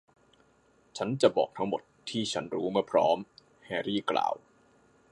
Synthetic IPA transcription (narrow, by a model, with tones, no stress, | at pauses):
t͡ɕʰa˦˥nt͡ɕa˨˩ʔbɔ̰ː˨˩k̚t̪ʰa˦˥ŋmo˨˩t̪ʰːiː˥˩t͡ɕʰa˦˥nɾuː˦˥maː˥˩pʰɾɔː˦˥m | hɛː˧ɾiː˥˩kla̰ː˨˩w